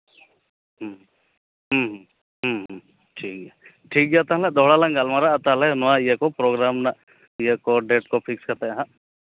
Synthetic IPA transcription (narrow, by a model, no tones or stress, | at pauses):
ɦ | ɦɦ | ɦəɦ | ʈʰiːke | ʈʰiːk̚ɡat̪aɦlad̪ʱoːɽalãŋɡalmaɾaɐt̪aɦlanʋãjekopɾoːɡɾaːmna | jekoɖeːʈkopʰɪkskɐt̪eɦã